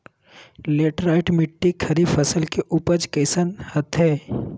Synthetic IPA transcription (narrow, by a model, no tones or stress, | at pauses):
leːʈɾaːɪʈmɪʈːikʰɐɾifɐsəlkeʔuːpəd͡ʒkəːsənhɐt̪ʰɦɛː